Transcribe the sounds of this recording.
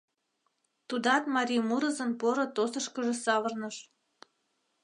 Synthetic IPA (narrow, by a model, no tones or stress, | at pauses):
t̪ud̪ɑt̪mɑɾʲimuɾə̆zə̆npoɾot̪osəʃkəʒĕsɑβərnəʃ